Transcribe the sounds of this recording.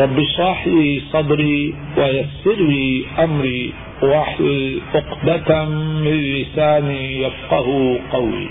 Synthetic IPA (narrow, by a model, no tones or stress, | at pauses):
ɾˤɑbːiʃɾˤɑːħlisˤɑd̪ɾi | wajasːɪɾliʔamɾi | waħʔʊqd̪at̪amɪnlɪsaːnijafqɑhqawḭ